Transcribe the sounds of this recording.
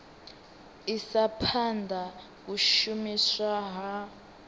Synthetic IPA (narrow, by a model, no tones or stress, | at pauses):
isapʰandʱa | k̬uʃumiswaɦa